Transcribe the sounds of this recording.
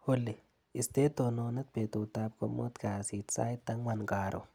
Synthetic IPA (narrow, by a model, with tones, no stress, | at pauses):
hʊ˦lːi˨ | i˨st̪e˦t̪o˨no˧nɐ˦t̪̚pe˨t̪u˨t̪a˦p̚ko˨mo̰˦t̪ka˨si˨t̪sa̰˦it̪ːa˦ŋwa˨nɡa˨ɾʔo̰˨